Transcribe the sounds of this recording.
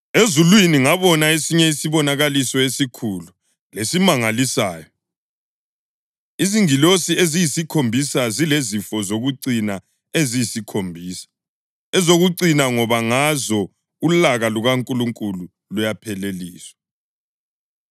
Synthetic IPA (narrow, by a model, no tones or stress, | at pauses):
ezulwiniŋaβɔnaesiɲɛisiβɔnaɣalisɔesikʰulu | lesimaŋalisaːjɔ | iziŋilosiezijisikʰombʱisazilezifɔzoɣuǀina | ezijisikʰombʱiːsḁ | ɛzoɣuǀinaŋɔβaŋazɔ | ulaɣaluɣaŋkʼuluŋkʼulu | lujapʰɛleliːswḁ